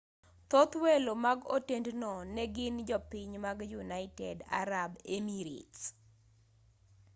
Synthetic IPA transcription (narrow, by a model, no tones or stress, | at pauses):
t̪ot̪welomaɡo̰tendnɔnɛɡɪnd͡ʒɔpɪɲmaɡjunaɪtɛda̰ɾabemiɾḭts